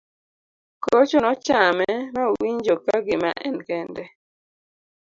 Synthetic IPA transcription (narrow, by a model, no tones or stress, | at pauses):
kot͡ʃɔnɔt͡ʃamɛmawiɲd͡ʒokaɡɪma̰ʔɛnkɛndɛ